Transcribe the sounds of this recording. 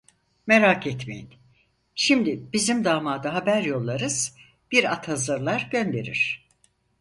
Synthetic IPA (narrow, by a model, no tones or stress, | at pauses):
meɾakʰɛt̪mejḭn | ʃimd̪ib̥izimd̪aːmaːd̪aɦabæɾjo̞lˠːaɾɯz̥ | b̥iɾat̪hazɯɾlˠaɾɟønd̪e̞ɾḭɾ̥